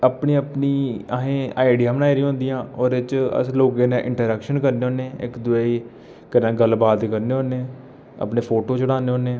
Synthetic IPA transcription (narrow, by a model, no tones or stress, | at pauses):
əpniːəpniːəɦẽːaːɪɖijaːbənaːiɾĩːɦõːnd̪ijãːɔːɾet͡ʃə̰sloːɡẽːnẽːʔɪ̰̃ɳʈəɾəkʃənkəɾneːoːneːɪ̰kd̪ʊeiː | kənãːɡəlbaːd̪kəɾneːoːneː | ə̰pneːpʰoːʈoːt͡ʃəɽaːneːɦõːneː